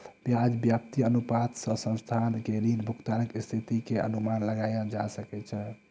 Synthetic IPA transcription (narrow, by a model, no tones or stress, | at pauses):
bjad͡ʒbjap̚t̪iənupat̪sə̃sə̃nst̪ʰankeɾinbʱukt̪anəkst̪ʰit̪ikeə̰numanləɡajãd͡ʒasəkɛt͡ʃʰɛ